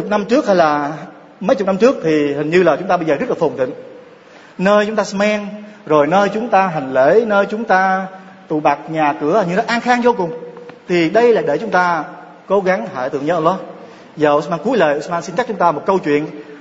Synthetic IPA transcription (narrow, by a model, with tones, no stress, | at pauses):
ʊ˨˩k͡p̚na˧mt͡ɕɨ˦˥ək̚hə˧jlaː˨˩ | mə˨˦jt͡ɕʊ˨˩k͡p̚na˧mt͡ɕɨ˦˥ək̚t̪ʰi˨˩hï˨˩ŋ̟ɲɨ˧laː˨˩t͡ɕʊ˨˦ŋ͡mt̪aː˧ɓə˧jzəː˨˩zə˦˥laː˨˩o˨˩nt̪ḭ˧˨ŋ̟ | nəː˧jt͡ɕʊ˦ŋ͡mt̪aː˧smɛ˧ŋzo˨˩jnəː˧jt͡ɕʊ˨˦ŋ͡mt̪aː˧ɦa˨˩jŋ̟le˧˥nəː˧jt͡ɕʊ˨˦ŋ͡mt̪aː˧ | t̪ṵ˧˨ɓa˨˩k̚ɲaː˨˩kɨ˧˩ə˨˩ɲɨ̰˧ŋzɔ˨˦˥ʔaː˧nxaː˧ŋzo˧kʊ˨˩ŋ͡mt̪ʰi˨˩ɗə˧jlaː˨˩jɗe˧˩t͡ɕʊ˨˦ŋ͡mt̪aː˧ | ko˨˦ɣa˨˦ŋhaː˧˩jt̪ɨ˧əŋɲə˧˥ʔə˧lːɔ˦˥ | zaː˨˩ʔsmaː˧nku˨˦əjləː˨˩jʔsmaː˧nsi˧nt͡ɕa˦˥t͡ɕʊ˦ŋ͡mt̪aː˧mo˨˩t̚kə˧wt͡ɕwḭ˧˨ən